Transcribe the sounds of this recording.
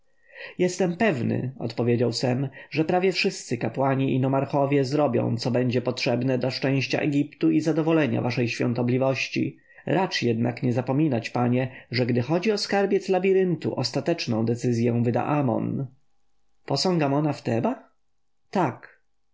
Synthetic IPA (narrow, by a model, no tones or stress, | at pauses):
jɛst̪ɛmpɛvnɘ̰ɔ̰t̪pɔvʲjed͡ʑawsɛmʐɛpɾavʲjɛfʂɘst̪sɘkapwaɲiʔinɔmaɾxɔvʲjɛzɾɔbʲjɔ̰̃w̃t̪sɔbɛɲd͡ʑɛpɔtʂɛbnɛd̪laʂt͡ʂɛ̃w̃ɕt͡ɕa̰ʔɛ̰ɡʲipt̪uizad̪ɔvɔlɛɲa̰vaʂɛjɕfʲjɔ̰̃nt̪ɔblʲivɔɕt͡ɕḭ | ɾat͡ʂjɛd̪na̰kɲɛzapɔmʲinat͡ɕpaɲɛʐɛɡd̪ɘxɔd͡ʑiɔskaɾbʲjɛt̪slabʲiɾɘnt̪ṵʔɔst̪at̪ɛt͡ʂnɔ̃w̃d̪ɛt̪sɘzʲjɛw̃vɘd̪a̰ʔamɔ̰n | pɔsɔ̃ŋɡamɔnaft̪ɛba | t̪ak